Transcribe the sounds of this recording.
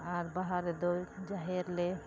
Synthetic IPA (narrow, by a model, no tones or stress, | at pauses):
aɾbaɦaɾed̪ojd͡ʒaɦeɾle